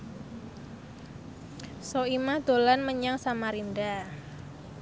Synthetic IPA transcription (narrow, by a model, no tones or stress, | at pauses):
soimad̪̥o̤lanməɲaŋsamaɾinda